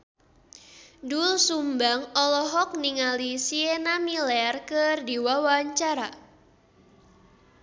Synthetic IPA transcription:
dulsumbaŋɔlɔɦɔk̚niŋalisienamilɛrkərdiwawaɲt͡ʃaɾa

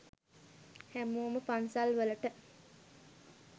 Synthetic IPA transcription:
hæmuəməpansalʋələʈə

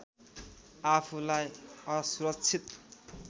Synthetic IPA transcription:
apʰulajʌsuɾʌk̚t͡sʰit̪

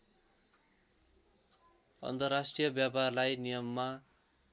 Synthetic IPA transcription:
ʌ̰nt̪ʌrːasʈrijʌbjaparlajnijʌmːa

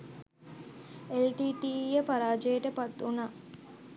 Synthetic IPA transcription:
elʈiːʈiːjəpaɾaːd͡ʒeːʈəpɐt̪ːunaː

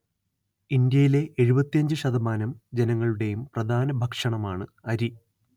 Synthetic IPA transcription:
ind̪jɐjile̞ʔeɻubɐt̪ːijɐɲd͡ʑɨɕɐd̪ɐmaːnɐmd͡ʑe̞nɐŋːɐɭuɽe̞jumprɐd̪ʱaːnɐbʱɐkʂɐɳɐmaːɳɨɐɾi

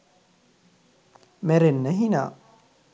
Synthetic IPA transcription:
meɾenːɛɦina̰

